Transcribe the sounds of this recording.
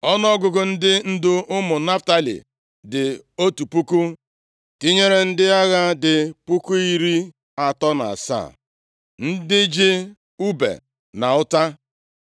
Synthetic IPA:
ɔ˦nɔ˦ɡʊ˨ɡʊ˨n̩˦dɪ˦n̩˦dʊ˦ʊ˦mʊ˨na˦fta˦lḭ˨ | dɪ˨o˦tu˨pu˦ku˦ | ti˦ɲe˦ɾe˨n̩˦dɪ˦a˦ɣa˦dɪ˨pu˦ku˦i˦ɾi˦ | a˨tɔ˦na̰˨a̰˨sa̰˦˨ | n̩˦dɪ˦d͡ʒe˦ | u˦bḛ˨ | na˨ʊ˦ta˦

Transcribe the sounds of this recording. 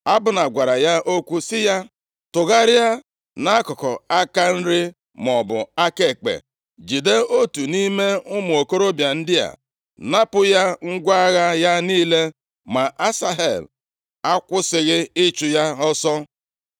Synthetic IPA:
a˦bʊ˨na˨ɡʷa˨ɾa˨ja˦ʔo˦kʷu˦sɪ˦ja˦ | tʊ˨ɣa˦ɾa˦ | na˦kɔ˨kɔ˨a˦ka˦n̩˦ɾɪ˦ | m˨ɔ˨bʊ˨a˦ke˨k͡pḛ˨ | d͡ʒi˨de˦o˦tu˨ni˦me˦ʊ˦m˨o˨ko˦ɾo˦bja˨n̩˦dɪ˦ja̰˨ | na˦pʊ˦ja˦ŋ̩˦ɡʷa˦ɣa˦ja˦niː˦le˦ | ma˨ʔa˦sa˦ɦḛ˨l | a˦kʷʊ˦sɪ˨ɣɪ˦ɪ˦t͡ʃu˨ja˦ɔ˦sɔ˦

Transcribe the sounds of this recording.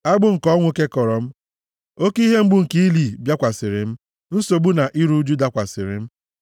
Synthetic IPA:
a˦ɡ͡bʊ˦ŋ̩˨kɔ˦ŋʷo˦ke˦kɔ˨ɾɔ˨m̩˦ | o˦ki˦ɦe˦m̩˦ɡ͡bʊ˦˨ŋ̩˨ki˦i˦li˨bja˦kʷa˨sɪ˨ɾɪ˨m̩˦ | n̩˦so˨bu˦na˨ʔi˦ɾu˦d͡ʒu˦da˨kʷa˨sɪ˨ɾɪ̰˨m̩˦

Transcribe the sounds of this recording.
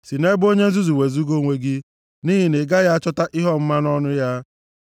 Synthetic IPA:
si˨ne˦bo˦ɲe˦n̩˦zu˦zu˨we˨zu˦ɡo˦˨ŋʷe˨ɡi˦ | niː˦ɦi˨nɪ˨ɡa˦ja˦a˦t͡ʃɔ˦ta˦ʔi˦ɦɔ˦m̩˦ma˦n˦ɔ˦nʊ˦ja˦

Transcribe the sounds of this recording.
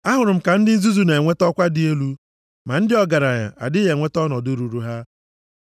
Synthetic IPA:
a˦ɦʊ˨ɾʊ˨m̩˨ka˨n̩˦dɪ˦n̩˦zu˦zu˦ne˨e˨ŋʷe˦tɔ˦kʷa˦dɪ˨e˦lu˦ | ma˨n̩˦dɪ˦ɔ˦ɡa˨ɾa˨ɲa̰˨ʔa̰˨dɪ˦ɣe˨ŋʷe˦tɔ˦nɔ˨dʊ˦ɾu˨ɾu˦ɦa˦

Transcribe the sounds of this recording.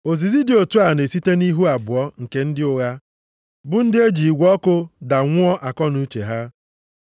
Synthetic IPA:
o˨zi˨zi˦dɪ˦o˨tu˦a˨ne˨si˦te˦ni˦ɦu˦a˨bʊ˨ɔ˦ŋ̩˨ke˨n̩˦dɪ˦ʊ˦ɣa˦ | bʊ˦n̩˦dɪ˦e˦d͡ʒi˨i˨ɡʷɔ˦kʊ˦da˨ŋʷʊ˦ɔ˦ʔa˨kɔ˦nu˦t͡ʃḛ˨ɦa˦

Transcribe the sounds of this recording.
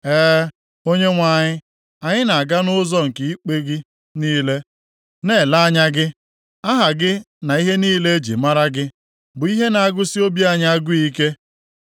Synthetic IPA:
ɛː˦ | o˦ɲe˦ŋʷa˨ɲɪ˦ | a˨ɲɪ˦na˨a˨ɡa˦nʊ˦zɔ˦ŋ̩˨kɪ˨i˦k͡pe˦ɡɪ˦ | niː˦le˦ | ne˨la˦a˦ɲa˦ɡɪ˦ | a˦ɦa˨ɡɪ˦ | na˨i˦ɦe˦niː˦le˦e˦d͡ʒḭ˨ma˦ɾa˦ɡɪ˦ | bʊ˨i˦ɦe˦na˨a˦ɡʊ˦si˦o˦bi˦a˦ɲa˦a˦ɡʷʊ˦i˦ke˦

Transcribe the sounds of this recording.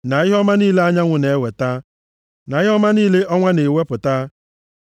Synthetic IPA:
na˨ɪ˦ɦɔ˦ma˦niː˦le˦a˦ɲa˦ŋʷʊ˨ne˨e˦we˨ta˦ | na˨ɪ˦ɦɔ˦ma˦niː˦le˦ʔɔ˦ŋʷa˦ne˨we˦pʊ˨ta˦

